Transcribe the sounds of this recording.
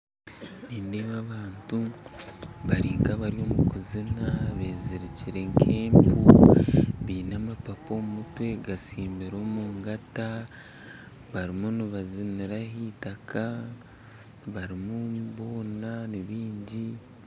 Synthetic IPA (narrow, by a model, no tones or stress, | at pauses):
niːndimaβaːntu | βaɾiːŋkaβaɾio̞mukuzinaβe̞ːziɾiciɾe̞ŋkʰe̞ːmpu | βiːnamapapo̞ːmumutwe̞ɡasiːmbiɾo̞ːmuːŋɡata | βaɾimuniβaziniɾahiːtakʰa | βaɾimuβo̞ːnaniβiːɲɟi